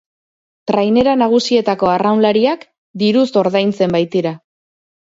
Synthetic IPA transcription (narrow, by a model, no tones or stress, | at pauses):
t̪ɾajne̞ɾanaɣ̞usie̞t̪ako̞arawnlaɾiak | d̪iɾuso̞ɾðajnt͡se̞mbajt̪iɾa